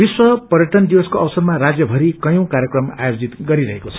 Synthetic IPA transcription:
biswʌpʌɾjʌʈʌnd̪iwʌskoʌwʌsʌrmaɾad͡zjʌbʱʌɾikʌjũkaɾjʌkrʌma̰jod͡zit̪ɡʌɾiɾʌɦekot͡sʰʌ̥

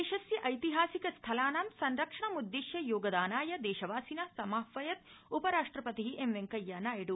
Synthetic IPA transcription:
eːʃɐsjɐʔɐjt̪iɦaːsikɐst̪ʰɐlaːnaːmsɐnɾɐkʂɐɳɐmud̪ːiʃjɐjoːɡɐd̪aːnaːjɐd̪ɛːʃɐʋaːsinɐsɐmaːfʋɐjɐt̪̚upɐɾaːʂʈɾɐpɐt̪iɦiʔemʋeŋkɐjːanaːjɐɽu

